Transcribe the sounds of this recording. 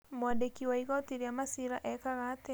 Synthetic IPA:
mwandekiwaiɣɔtiɾeamasiɾaʔɛkaɣaːte

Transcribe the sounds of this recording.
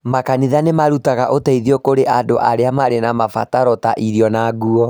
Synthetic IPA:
makaniðanemaɾutaɣaʔotaiðiɔkoɾeʔandoʔaɾeamaɾenamafa̰taɾɔtaʔiɾjɔnaɣuɔ

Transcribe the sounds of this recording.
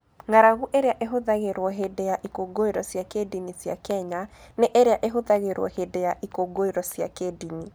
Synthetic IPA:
ŋaɾaɣuʔeɾeaʔeɦoðaɣeɾwɔɦedeaʔikoɡoeɾɔsjakedinisja̰kɛɲaneʔɛɾeaʔeɦoðaɣeɾwɔ̰hedeaʔikoɡoeɾɔsja̰kedini

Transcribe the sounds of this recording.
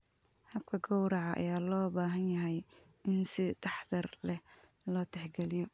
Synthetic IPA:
hɐb̚kʰɐɡɔwɾɑʕɑʔːjaːlɔːbaːɦɐnjɐɦɛjɪnsɪt̪ʰɑħd̪ɐrlɛhlɔːt̪ʰɛħɡɛlɪjɔ

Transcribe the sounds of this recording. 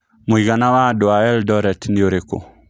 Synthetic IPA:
moiɣanawadoaɛldɔɾɛtnioɾeko̰

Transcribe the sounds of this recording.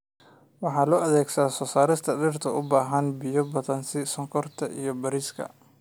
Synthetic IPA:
wɑħɑːlɔːɐðɛːɡsaːsɔːsaːɾɪst̪ʰɐɖɪrt̪ʰɐʊbaːɦɐnbɪjɔbɐðɐnsɪsɔŋkʰɔrt̪ʰɐʔḭjɔbɐɾiːskʰɐ̰

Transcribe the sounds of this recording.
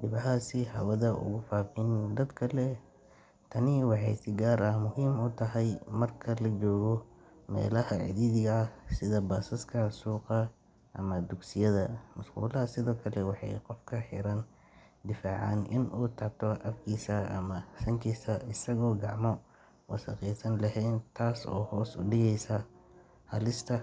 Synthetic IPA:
d̪ɪbɐɦaːsɪhɐwɐðɐʔʊ̰ɣʊfaːfɪnd̪ɐd̪kʰɐlɛ | t̪ʰɐnɪwɑħɑjsɪɡaːɾɐhmʊɦiːmʊt̪ʰɐɦɛjmɐrkʰɐlɐt͡ʃɔːɣɔmɛ̰ːlɐɐʕɪ̰ðiːðɪɣɐɐsɪðɐbaːsɐskʰɐsuːqɑ | ʔɐ̰mɐd̪ʊɡsɪjɐðɐmʊsqṵːlɐɐsɪðɔːkʰɐlɛwɑħɑ̰jqɔfkʰɐħɪ̰ɾɐn | d̪ɪfaːʕɑnʔɪnʔuːt̪ʰɐʕt̪ʰɔʔɐfkʰiːsɐʔɐmɐsɐŋkʰisɐɪsɐɣɔːɡɑʕmɔ | wɑsɐqiːsɐnlɐɦɛːnt̪ʰaːsɔ̰ːhɔːsʊɖɪɣɛjsɐ | hɐlɪst̪ʰɐ

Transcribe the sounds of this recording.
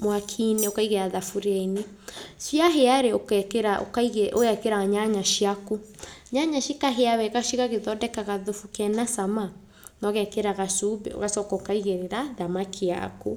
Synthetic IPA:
mwakʰineokaiɣeaðafuɾaine | sjaɦeaɾeokkeɾaokaiɣeʔoɣɛkeɾaaɲaɲaʃiakuɲaɲaʃikaɦeaβɛɣaʃiɣaɣeðɔdɛkaɣaðofukɛnasama | nɔɣɛkeɾaɣasubɛ̰o̰ɣasɔkɔokaiɣeɾeɾaðamakʰea̰ku

